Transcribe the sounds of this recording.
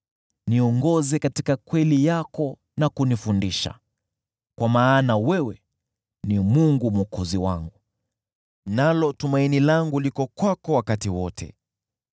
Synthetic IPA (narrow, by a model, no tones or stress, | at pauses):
niɔŋɡɔzɛkati̥kakwɛlijakɔ | nakunifundiʃa̰ | kwamaːnawɛwɛ | nimuŋɡumɔkɔziwaŋɡu | nalɔtumainilaŋɡulikɔkwakɔwakatiwɔtʰɛ̰